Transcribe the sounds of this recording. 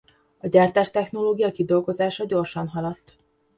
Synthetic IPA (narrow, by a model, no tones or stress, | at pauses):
ɒɟaːrt̪aːʃt̪ɛxno̞loːɡijɒkid̪o̞lɡo̞zaːʃɒɟo̞rʃɒnɦɒlɒt̪ː